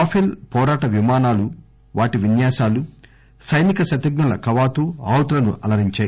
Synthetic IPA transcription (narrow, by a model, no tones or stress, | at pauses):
aːpʰilpɔːɾaːʈɐʋimaːnaːlu | ʋaːʈiʋinjaːsaːlu | sɐjnikɐʃɐt̪iɡ̚nɐlɐkɐʋaːt̪uaːwt̪lɐnṵʔɐlɐɾiɲt͡ʃaːji